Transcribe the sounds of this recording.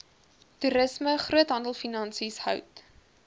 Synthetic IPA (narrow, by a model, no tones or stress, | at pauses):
tuɾəsməχruətɦɐndəlˠfinɐnsishœ̰wt